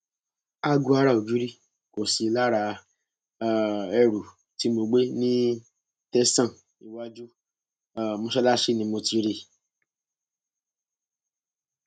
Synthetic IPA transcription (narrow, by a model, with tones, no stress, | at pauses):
a˧ɡu˧˦a˧ɾa˦˨o˨d͡ʒu˨˦ɾi˦ | ko˨si˨˧la˦ɾa˧˦ | ɛ˧˨ɾu˨ | ti˨˦mo˧ɡ͡be˦nĩ˦ | tɛ˦sã˦˨ | i˨wa˧d͡ʒu˦ | a˦˨mõ˧ʃɛ˦la˦ʃe˦˨nĩ˧mo˧ti˧ɾe˧